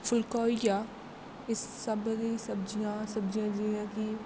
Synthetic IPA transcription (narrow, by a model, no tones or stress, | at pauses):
fʰʊlkɔːijaː | ɪsːəbɾisəbd͡ʒijãːsəbd͡ʒijãːd͡ʒiãːki